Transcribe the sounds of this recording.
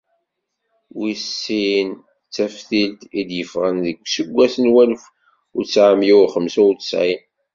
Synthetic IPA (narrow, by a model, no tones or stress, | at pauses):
wisːin | t͡sːæfθilt̪id̪jəfʁənðəɡʷːsəɡʷːæθənwælf | ʊɾt͡sːʕamjiχəmsʊɾt͡sːə̥sʕin